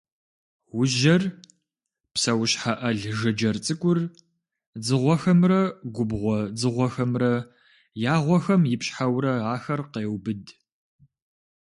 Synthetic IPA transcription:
wʊʒɐr | psɐwɕħaʔɐɮʒɐd͡ʒɐrt͡sʼɨkʷʼʊr | d͡zɨʁʷɔxɐmrɐɡʷʊbʁʷɔd͡zɨʁʷɔxɐmrɐ | jaːʁʷɔxɐmjɪpɕħawɾɐaːxɐrqeːwbɨd

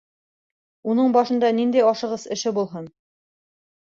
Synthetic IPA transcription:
unɤɴbɑʃɤ̆nd̪ɑnind̪æjɑʃɤ̆ʁɤsɘ̆ʃɘbulˠɦɤn

